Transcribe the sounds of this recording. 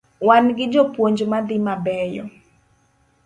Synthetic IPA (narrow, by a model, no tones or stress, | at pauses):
wanɡɪd͡ʒɔpwoɲd͡ʒmad̪ɪmabɛjɔ